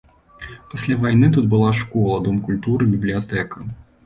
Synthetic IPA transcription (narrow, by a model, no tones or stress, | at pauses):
pasʲlʲavajnɨt̪ud̪̚bɨlˠaʂkɔlˠɐd̪ɔmkulʲt̪uɾɨbʲiblʲijat̪ɛkɐ